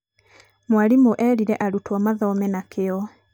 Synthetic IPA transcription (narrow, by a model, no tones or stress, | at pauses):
mwaɾimoʔɛɾiɾɛʔaɾutwamaðɔmɛnakeɔ